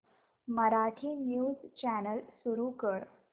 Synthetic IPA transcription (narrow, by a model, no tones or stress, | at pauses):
məɾaʈʰiːnjuːzt͡ɕænəlsuɾukəɽ